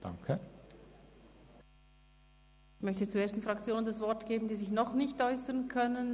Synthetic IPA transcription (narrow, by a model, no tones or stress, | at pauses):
d̥a̰ŋkʰə | ɪçmœçtət͡sueːɐstn̩fʁɑk̚t͡sjoːnəndasvɔʁtɡ̥eːbn̩diːzɪçnɔχnɪçtɔʏsəʁnkʰœnən